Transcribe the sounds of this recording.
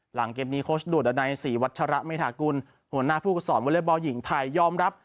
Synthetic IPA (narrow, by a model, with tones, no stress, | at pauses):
la˩˦ŋkeː˧m̚niː˦˥kʰoː˦˥sdu˨˩t̪̚na˧jsiː˩˦wa˦˥t̪̚t͡ɕʰa˧ɾa˦˥meː˧˩t̪ʰaː˨˩˦ku˧n | hu˨˩˦ənaː˥˩pʰuː˥˩ksɔː˩˦nwo˧˥le˥˩pbaː˧wji˩˦ŋt̪ʰa˧jːɔː˧mɾa˦˥p̚